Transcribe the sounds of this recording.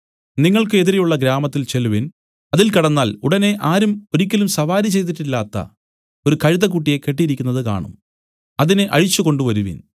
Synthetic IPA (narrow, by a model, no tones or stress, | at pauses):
niŋːɐɭkɨe̞ðiɾejuɭːɐɡɾaːmɐt̪ːilt͡ɕe̞luʋin | ɐðilkɐɽɐnːaːluɽɐne̞ʔaːɾumo̞ɾikʲːɐlumsɐʋaːɾit͡ɕe̞jt̪̬iʈːilːaːt̪ːɐ̰ | o̞ɾukɐɻiðɐkuʈːije̞ke̞ʈ̬ːijɾikʲːunːɐðɨka̰ːɳṵm | ɐðinɨʔɐ̰ɻit͡ɕːuko̞ɳɖuʋɐɾuʋḭn